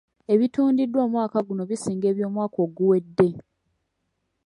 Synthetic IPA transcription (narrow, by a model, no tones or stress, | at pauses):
e̞βituːndidwo̞ːmwaːkaɡuno̞βisiːŋɡe̞ːβjo̞ːmwaːko̞ːɡuwe̞dːe̞